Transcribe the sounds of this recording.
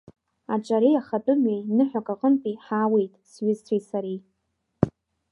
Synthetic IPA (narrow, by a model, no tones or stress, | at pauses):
at͡ʃʼaɾejaχatʼɨmɥejnɨħʷᶣakʼaqʼəmpʼiħaːwejtʼsɥɪztʰejsaɾej